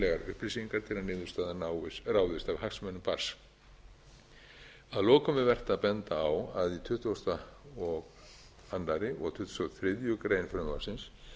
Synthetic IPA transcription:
lɛɣaɾʏ̰hplisiŋkaɾ̥t̪ʰɪlanɪːðʏ̥st̪aːðanawɪsrawðɪst̪avɦaksmɛnːʏmpaɾ̥s | aðlɔːkʏmɛvɛr̥t̪aðpɛnt̪aːwaðit̪ʰʏht̪awst̪aɔɣ | anlaɾɪʔɔ̰ɣt̪ʰʏht̪u̥st̪oaθɾɪðjʏkɾeːjnfɾɛma̰sɪns

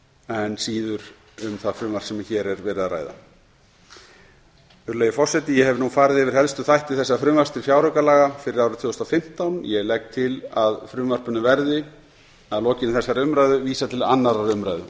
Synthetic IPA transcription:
ɛnsiːðʏɾ | ʏmθaðfɾʏːmvar̥sɛmaçɛɾɛɾvɛːɾɪðaɾa̰ːjða̰ | ʏɾlejɪfɔr̥sɛt̪ɪjɛhɛvnufaːɾɪðɛvɪɾ̥hɛlst̪ʏθajht̪ɪθɛsːafɾʏːmvar̥st̪ɪɾfjawɾœkalaːɣafɪɾɪɾawɾʏt̪ʰvʏːʏst̪awfɪm̥t̪awnjɛɣlɛk̚t̪ʰɪlaðfɾʏːmvar̥pʏnʏvɛɾðɪ | aðlɔːcɪnɪθɛsːaɾʏmɾaːjðʏviːsat̪ʰɪla̰nːaɾaɾʏmɾa̰jðʏ̰

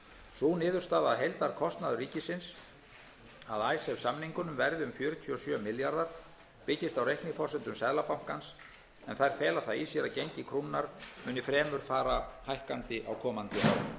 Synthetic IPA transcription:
suːnɪːðʏ̥st̪aːðaðɦejlt̪aɾ̥kʰɔst̪naðʏriːcɪsɪns | aðaːjsɛvsamniŋkʏnʏmvɛɾðɪʏmfjœːɾʏt̪ʰyɔsjœːmɪljaɾðaɾ̥ | pɪcːɪst̪awrejhknɪfɔrsɛnt̪ʏmsɛðlapam̥kans | ɛnθajɾ̥fɛːlaθaisjɛɾacejɲcɪkʰɾuːnːaɾmʏːnɪfɾɛːmʏɾ̥faːɾahajhkant̪ɪʔa̰wkʰɔːmant̪ɪa̰w

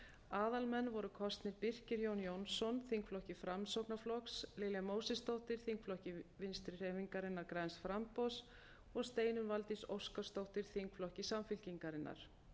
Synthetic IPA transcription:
aːðalmɛnːvɔɾʏkʰɔst̪nɪɾpir̥cɪɾjoːwnjownsɔnθiŋkflɔhcɪfɾamsowknaflɔkslɪːljamoːwsɪst̪owht̪ɪɾ̥θiŋkflɔhcɪvɪnst̪ɾɪr̥ɛviŋkaɾɪnːaɾkɾajnsfɾampɔws | ɔɣst̪eːjnʏnvalt̪iso̰wskḁst̪owht̪ɪɾ̥θiŋkflɔhcɪsamfɪlciŋkaɾɪnːa̰ɾ̥

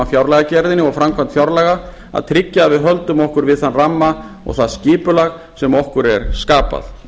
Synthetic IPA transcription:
afjawɾlɛɣacɛɾðɪnɪɔɣfɾamkʰvamnt̪fjawɾlɛɣa | a̰ðt̪ʰɾɪcːaːvɪðɦœlt̪ʏmɔhkʏɾvɪðθanramːa | ɔ̰ɣθaðscɪːpʏlaɣ | sɛmɔhkʏɾɛ̰ɾ̥skaːpa̰θ

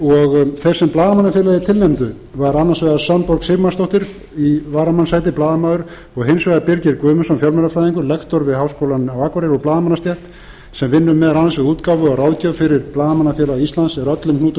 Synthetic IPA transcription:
ɔɣθejɾ̥sɛmplaːðamanːafjɛːlaðɪt̪ʰɪlnɛmt̪ʏ | vaɾanːansvɛːðasampɔɾksɪmast̪oht̪ɪɾ | ivaːɾamansaːjt̪ɪplaːðamaːwðʏɾ | ɔɣɦɪnsvɛðaɾpɪɾcɪɾkvœːmʏsanfjawlmɛɾaflajðiŋkʏlɛkt̪ɔɾvɪðhawskowlanawaːkɔɾɪɾɔɣplaːðamanːast̪jɛht̪ | sɛmvɪnːʏmɛðaɾanasvɛɣuːt̪kawvʏaraːwðcœfɪɾɪɾplaːðamanːafɛːlaɣist̪lansɛɾœt̪lʏmhnuːt̪ʏ

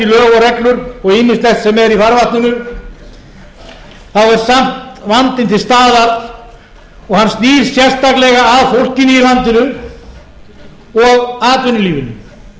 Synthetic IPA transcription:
ɪlœːɣɔɾɛklʏɾɔɣiːmɪnst̪lɛht̪sɛmɛɾifaɾvaht̪nʏnʏ | θaðɛɾ̥sam̥t̪vant̪ɪnt̪ʰɪlst̪aːðaɾ | ɔɣhanːst̪iːɾ̥sjɛr̥st̪aklɛɣaːðfowl̥cɪniilant̪ɪnʏ | ɔɣaːt̪vʏnʏliːvɪnʏ̰

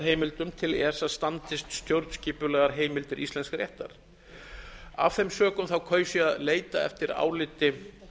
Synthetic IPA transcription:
ɦeːjmɪlt̪ʏmt̪ʰɪlɛsast̪ant̪ɪst̪st̪jowɾt̪sciːpʏlɛːɣaɾɦeːjmɪlt̪ɪɾʔḭst̪ɛnskɾrjɛ̰ht̪a̰ɾ̥ | a̰v̥θejmsœːkʏmθawkʰœːɥsiaðleːjt̪aɛ̰ft̪ɪɾa̰ːwlɪt̪ɪ

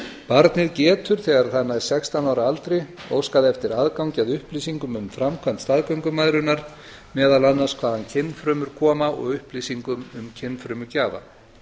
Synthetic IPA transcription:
paɾt̪nɪðcɛːt̪ʏɾ̥θɛːɣaɾ̥θanːaɛɾ̥sɛkst̪anaːwɾaalt̪ɾɪo̰ːwskaðɪɛft̪ɪɾaːðkawɲcɪaðʏhpliːsiŋkʏmʏmfɾamkʰvamnt̪st̪aːðkœwŋkʏmaðɾʏnaɾ̥ | mɛːðalanːaskʰvaːðancʰɪnːfɾʏːmʏɾ̥kʰɔːmaɔ̰ɣʏhpliːsiŋkʏmʏmcʰɪnːfɾʏːmʏcaːva̰

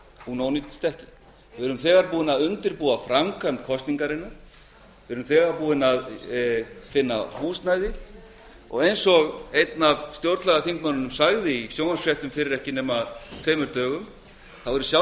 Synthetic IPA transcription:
unownit̪st̪ɛhcɪ̥ | vɪvɛɾʏmθɛːɣaɾpuːðɪnaðʏnt̪ɪɾpuːafɾamkʰant̪kʰɔst̪niŋkaɾɪnːaɾ̥ | vɪvɾʏmθɛːɣaɾpuːðɪnað | fɪnːa̰huːst̪najðɪ | ɔ̰ɣejnsɔɣejt̪navst̪jowɾt̪lɛɣaθiŋkmanːʏnʏmsaɣðɪisjownasfrjɛht̪ʏmfɪːɾɪɾɛhcɪnɛːmat̪ʰveːjmʏɾt̪œːɣʏm | θawvɛɾʏsja

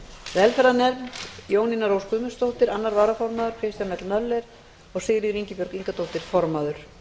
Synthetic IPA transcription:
vɛlfɛɾðanɛɾjoːwninaɾowskʏːmʏnst̪owht̪ɪɾanːaɾvaːɾafɔɾmaːðʏɾ̥kʰɾejst̪jamɛt̪lnœlːɛɾ̥ | ɔɣsɪɣɾiɣɾiɲcɪpʏɾkiŋkat̪ʰowht̪ɪɾ̥fɔɾmaːðʏɾ̥

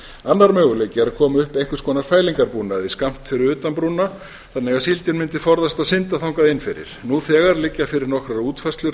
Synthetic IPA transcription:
anːaɾmœːɣʏleːjcɪɾaðkʰɔːmʏhpejŋ̥kvʏ̥skʰɔːnaɾ̥faːjliŋkaɾpuːnaðiskam̥t̪fɪɾɪɾʏːt̪ampɾuːna | θanːɛɣaðsilt̪ʏnmɪnt̪ɪfɔɾðast̪aðsɪnt̪aθawŋkaðɪnːfɪɾɪ̰ɾ̥nuθɛːɣaɾlɪcːafɪɾɪɾnɔhkɾaɾuːt̪fɛst̪lʏɾ

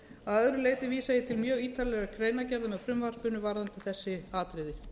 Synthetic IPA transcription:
aœðɾʏleːjt̪ɪviːsajɪt̪ʰɪlmjœːɣiːt̪alɛɣakʰɾejnacɛɾðamɛðfɾʏmvar̥pʏnʏvaɾðant̪ɪθɛsːɪaːt̪ɾɪðɪ

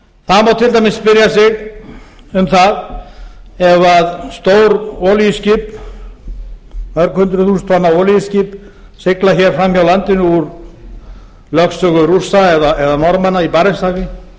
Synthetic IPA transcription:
θaðmawt̪ʰɪlt̪ajmɪsːpɪɾjasɪɣ | ʏmθað | ɛvaðst̪oːwɾɔːlijɪscip | œɾkhʏnt̪ɾʏθuːst̪ʰvanːaɔːlijɪscip | sɪklaçɛɾ̥fɾamːjawlant̪ɪnʏuɾ | lœksœɣʏɾusaɛðaɛðanɔɾmanaipaɾɪst̪aːɣɪ

